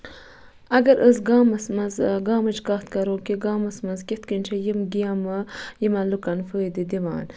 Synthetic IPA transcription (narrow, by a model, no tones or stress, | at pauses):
ɐɡɐɾʔəsɡaːmɐsmɐzɡaːmɐt͡ʃkat̪kɐɾoːkiɡaːmɐsmɐzkʲit̪kinʲt͡ʃʰɐjimɡijɐmɐjimɐlukɐnfəːjd̪id̪iʋa̰ːn